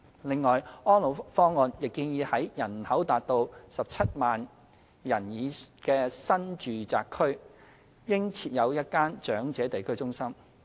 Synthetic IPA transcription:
lɪ˨ŋːɔː˨jɔː˥nlo˨˧wfɔː˥ŋːɔː˧njɪ˨kːiː˧ŋjiː˨˧hɐ˨˥jjɐ˨˩n˨hɐ˨˥wt̪aː˨˧t̚t̪o˧wsɐ˨p̚t͡sʰɐ˥t̚maː˨n | jɐ˨˩njiː˨˧kɛː˧sɐ˥nt͡ʃyː˨t͡sa̰ː˧kʰːɵ˥ɥ | jɪ˥ŋt͡sʰiː˧t̚jɐ˨˧wjɐ˥t̚kaː˥nt͡ʃœː˨˥ŋt͡sɛː˨˥t̪e˨jkʰɵ˥ɥt͡sʊ˥ŋsɐ˥m

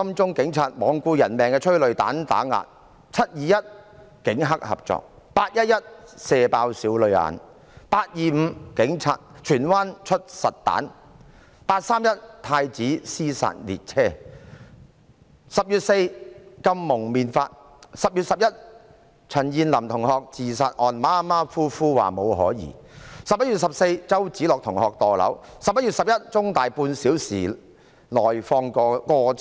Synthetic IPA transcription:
sɐ˥mt͡sʊ˥ŋkɪ˨˥ŋt͡sʰaː˧t̚mɔː˨˧ŋkuː˧jɐ˨˩nmɛː˨ŋkɛː˧t͡ʃʰɵ˥ɥlɵ˨ɥt̪a̰ː˨˥nt̪a̰ː˨˥ŋa̰ː˨t̚ | t͡sʰɐ˥t̚jiː˨jɐ˥t̚ | kɪ˨˥ŋɦɐ˥k̚hɐ̰˨p̚t͡sɔ̰ː˨k̚ | paː˧t̚jɐ˥t̚jɐ˥t̚sɛː˧paː˧wsiː˨˥wlɵ˨ɥa̰ː˨˥n | paː˧t̚jiː˨˩m̩˨˧kɪ˨˥ŋt͡sʰa̰ː˧t̚t͡ʃʰyː˨˩nwaː˥nt͡ʃʰɵ˥t̚sɐ˨t̚t̪a̰ː˨˥n | paː˧t̚saː˥mjɐ˥t̚t̪ʰaː˧jt͡siː˨˥siː˥sa̰ː˨t̚lḭ˨t̚t͡sʰɛː˥ | sɐ˨p̚jyː˨t̚se˧jkɐ˧mːʊ˨˩ŋmiː˨˧nfaː˧t̚ | sɐ˨p̚jyː˨t̚sɐ˨p̚jɐ˥t̚ | t͡sʰɐ˨˩njiː˨nlɐ˨˩mt̪ʰʊ˨˩ŋhɔː˨˧k̚t͡siː˨saː˧t̚ʔɔː˨˧nmaː˥maː˥fuː˥fuː˥wa̰ː˨˩mo˨˧wɦɔ̰ː˨˥jḭː˨˩sɐ˨p̚jɐ˥t̚jy˨t̚sɐ˨p̚se˧jt͡sɐ˥wt͡siː˨˥lɔː˨k̚t̪ʰʊ˨˩ŋhɔː˨k̚t̪ɔː˨˩lɐ̰˨˥wsɐ˨p̚jɐ˥jyː˨t̚sɐ˨p̚jɐ˥t̚t͡sʊ˥ŋt̪aː˨jpuː˧nsiː˨˥wsḭː˨˩ | lɔː˨˩jfɔː˧ŋkɔ˧kɔː˧

